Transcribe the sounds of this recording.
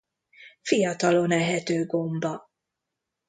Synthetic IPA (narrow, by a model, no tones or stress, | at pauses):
fijɒt̪ɒlo̞nɛɦɛt̪øːɡo̞mbɒ